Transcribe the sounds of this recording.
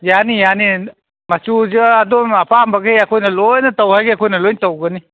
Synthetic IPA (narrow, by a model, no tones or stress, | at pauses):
janijani | masuzɯadomɐpʰambɐɡejɐkʰojnɐlojnɐtawhajɡeakʰojnɐlojntɐwɡɐni